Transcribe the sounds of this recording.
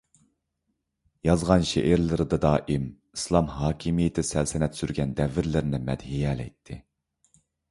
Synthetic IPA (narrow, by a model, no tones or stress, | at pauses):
jɑzʁɑnʃḛʔɪɾlɪɾɨd̪ɨd̪ɑːʔim | islˠɑmɦɑːkʲʰimijet̪ʰɪsælsɪnɛt̪syɾɡʲɛnd̪ɛvːɪɾlɪɾnɪmɛ̰d̪ɦijɛːlɛ̰jt̪ʰːɪ̰